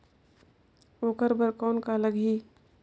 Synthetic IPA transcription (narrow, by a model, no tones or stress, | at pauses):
oːkəɾbəɾkɔːnkaləɡɦiː